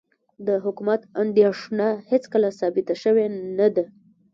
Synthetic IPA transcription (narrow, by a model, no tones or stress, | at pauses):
d̪əɦʊkumat̪and̪jɑʂnahet͡skəlasɑbɪt̪aʃəwenad̪a